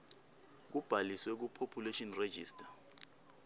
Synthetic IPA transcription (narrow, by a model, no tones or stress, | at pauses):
k̬ub̥ʱaliswɛk̬upʰopʰuleʃɔnre̥ʒ̥ʱiːstʰʼḁ